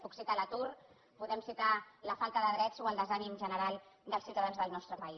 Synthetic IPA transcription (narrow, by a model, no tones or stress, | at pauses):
puksit̪alət̪ur | puðɛmsit̪aləfalˠt̪əðəðɾɛt͡soəlˠd̪əzanimʒənəɾalˠd̪əlˠsiwt̪əðanzðəlˠnɔst̪ɾəpəi